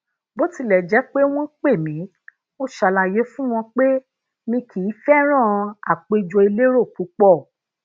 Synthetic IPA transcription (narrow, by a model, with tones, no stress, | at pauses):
bo˦ti˧lɛ˨d͡ʒɛ˨˦k͡pe˦w̃ɔ̃˦k͡pe˦˨mĩ˨˦ | o˦ʃa˨la˨je˨˦fũ˦w̃ɔ̃˧k͡pe˦ | mĩ˧kʰi˨˦fɛ˦ɾ̃ã˦˨˧a̰˨k͡pe˧d͡ʒo˧i˧le˦ɾo˦˨k͡pu˨˦k͡pɔ˦˨